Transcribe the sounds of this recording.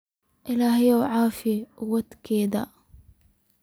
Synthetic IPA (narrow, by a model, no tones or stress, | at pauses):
ʔɪlahijawʕaːfiwat̪kiːd̪a̰